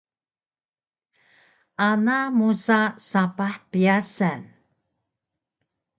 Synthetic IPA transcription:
ʔanamusasapaħpiasan

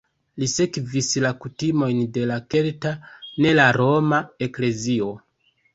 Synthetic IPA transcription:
lise̞kvislakutimo̞jnde̞lake̞ltane̞laɾo̞mae̞kle̞zio̞

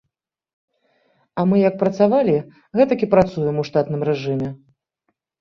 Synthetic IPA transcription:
ɐmɨjɐk̚pɾɐt̪savalʲi | ɣɛt̪ɐkʲipɾat̪sujɛmuwʂt̪at̪nɨmrɛʐɨmʲɛ

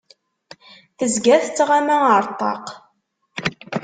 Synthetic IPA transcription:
θəzɡæθt͡sːʁamæəɾˤt̪ˤːɑ̰q

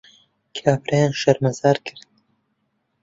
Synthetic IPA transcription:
kʰaːpɾʔajaːnʃɐɾmɐzaːɾkʰɨɾd̪̚

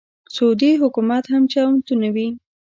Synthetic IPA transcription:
sod̪iɦʊkumat̪hamt͡ʃawnt̪unawi

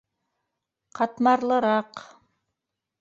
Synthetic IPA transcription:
qʰɑt̪mɑɾlˠɤ̆ɾɑq

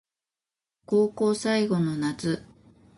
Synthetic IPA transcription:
ko̞ːko̞ːsaiɡo̞no̞nat͡sɨ

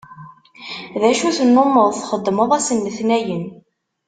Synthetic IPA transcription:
ðæʃuθənːomːəðˤθχəd̪ˤːməðˤæsənːəθnæjən

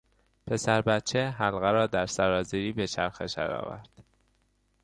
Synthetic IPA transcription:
pʰe̞sæɾbæt̪̚t͡ʃʰeɦælɣæɾɒːd̪æɾsæɾɒːziɾiːbe̞t͡ʃʰæɾxeʃæ̰ɾɒ̰ːvæ̰ɾd̪̥

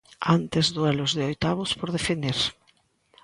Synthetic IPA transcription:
ant̪ezðwɛlozðɪojt̪aβʊspoɾðefeniɾ

